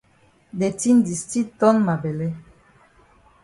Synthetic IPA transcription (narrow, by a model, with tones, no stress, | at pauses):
dɛ˨ti˦ndi˨sti˦t̪ɔ˦nma˨bɛ˨lɛ˦